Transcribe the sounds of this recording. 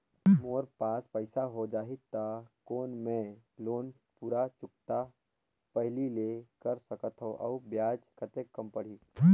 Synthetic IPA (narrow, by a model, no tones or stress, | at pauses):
moːɾpaːspəɪsaɦod͡ʒaːɦɪt̪ːakoːnmẽloːn | puːɾat͡ʃʊk̚t̪a | pəɦlilekəɾsəkət̪ɦõʔɔ̰ubjaːd͡ʒkʰət̪ekːəmpəɽ̤iː